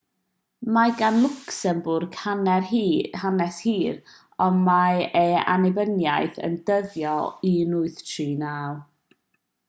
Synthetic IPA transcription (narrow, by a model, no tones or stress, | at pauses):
maɡanlˠʊksəmbʊrɡhanɛrhanɛshiːɾ | ɔmaea̰nɛbənjajθə̰ndəðjɔinʊɨθtʰriːnalˠ